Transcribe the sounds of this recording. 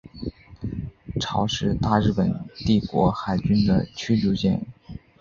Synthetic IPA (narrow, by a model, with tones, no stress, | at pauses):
ʈ͡ʂʰɑ˧˥ʊʂɻ̩˥˧t̪a˥˧ɻɻ̩˥˩pə˨˩nt̪i˥˩kwɔ̰˧˥xa˨˩ɪt͡ɕy˥nd̪ə˨t͡ɕʰy˥t͡ɕu˧˥t͡ɕjɛ˥˩n